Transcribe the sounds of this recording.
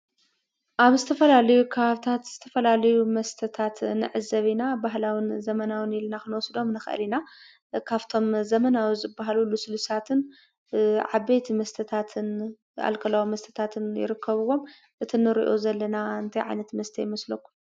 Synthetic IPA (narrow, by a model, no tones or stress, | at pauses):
ʔaβzɨt̪ʰɐfɐlalɐjukʰɐβaβt̪ʰat̪z̥ɨt̪ʰɐfɐlalɐjumɐst̪ʰɐt̪ʰat̪nɨ̰ʕɨzɐβinabaɦlawinzɐmɐnawɨnilnakɨnwɔsd̪o̞mnɨxʔɐ̰lina | kʰaβt̪ʰo̞mzɐmɐnawizɨbːaɦalulːusɨlusat̪ʰɨn | ʕaβejt̪ʰmɐst̪ʰɐt̪ʰat̪ʰɨn | a̰lkʰɐlawimɐst̪ʰɐ̥t̪ʰat̪ʰɨnjɪ̰ɾɨkʰːɐβɨwo̞m | ʔɨt̪ʰinɨɾḭʔo̞̰zɐlːɐnaɨnt̪ʰɐjʕa̰jnɐt̪mɐst̪ʰɐjɪmɐslɐkːu̥